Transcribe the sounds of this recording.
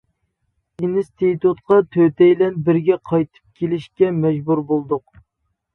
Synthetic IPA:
inst̪ʰet̪ut̪qɑt̪ʰøt̪ɛjlɛnbɪɾɡʲɛqʰɑjt̪ʰɨ̥p̚kʲʰelɪʃkʲɛmɛd͡ʒbuɾbolˠd̪ʊq

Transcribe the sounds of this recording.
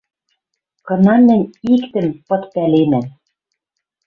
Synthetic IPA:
kɤ̆nɑmɘ̆nʲikt̪ɘ̆mpɤ̆t̪pælenæm

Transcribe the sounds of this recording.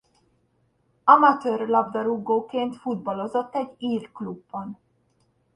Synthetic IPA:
ɒmɒt̪øːrlɒbd̪ɒɾuɡːoːkeːnt̪fud̪bɒlo̞zo̞t̪ːɛɟːiːrklubːɒn

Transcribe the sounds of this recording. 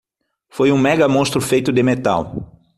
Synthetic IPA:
fojũmɛɡɐmõst̪ɾʊfejt̪ʊd̪ɪmet̪a̰w

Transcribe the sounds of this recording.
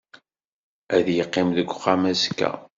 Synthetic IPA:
æðjəqːɪmðəɡʷːχamæskːæ̰

